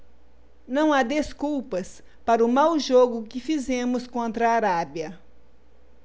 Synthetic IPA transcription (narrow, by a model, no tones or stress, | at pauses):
nɐ̃w̃ad̪eskuwpɐs | paɾʊmawʒoɡʊkɪfizẽmʊskõnt̪ɾɐaːɾabjɐ